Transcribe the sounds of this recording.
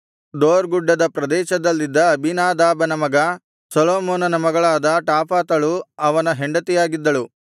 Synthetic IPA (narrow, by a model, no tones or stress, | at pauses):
d̪oːɾɡuɖːɐd̪ɐpɾɐd̪ɛːʃɐd̪ɐlːid̪ːɐːbʱinaːd̪aːbɐnɐmɐɡɐ | sɔloːmoːnɐnɐmɐɡɐɭaːd̪ɐʈaːpaːt̪ɐɭuɐʋɐnɐɦeɳɖɐt̪ijaːɡid̪ːɐɭu